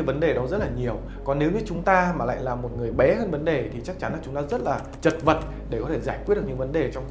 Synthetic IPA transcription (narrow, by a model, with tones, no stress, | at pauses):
və˨˦nɗe˨˩ɗɔ˨˦zə˦˥t̚laː˨˩ɲi˨˩əw | kɔ˨˩nːe˨˦wɲɨ˧t͡ɕʊ˨˦ŋ͡mt̪aː˧maː˨˩la̰ː˧˨jlaː˨˩mo˨˩t̚ŋɨ˨˩əjɓɛ˨˦həː˧nvə˨˦nɗe˨˩t̪ʰi˨˩t͡ɕa˦˥k̚t͡ɕa˨˦nlaː˨˩t͡ɕʊ˨˦ŋ͡mt̪aː˧zə˦˥t̚laː˨˩ | t͡ɕə˨˩t̚və˨˩t̚ | ɗe˧˩kɔ˨˦t̪ʰe˧˩zaː˧˩jk̚i˦˥t̚ɲɨ˧˩və˨˦nɗe˨˩t͡ɕɔ˧wŋ͡m